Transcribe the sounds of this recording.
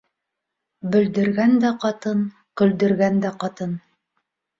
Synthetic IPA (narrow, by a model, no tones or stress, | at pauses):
bɵ̆ld̪ɵ̆ɾɡænd̪æqɑt̪ɤn | qɵ̆ld̪ɵ̆ɾɡænd̪æqɑt̪ɤn